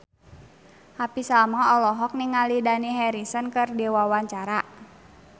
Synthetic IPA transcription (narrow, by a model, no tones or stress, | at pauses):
hapisamɔɔlɔɦɔk̚niŋalidaniɦɛɾisənkərdewawaɲt͡ʃaɾa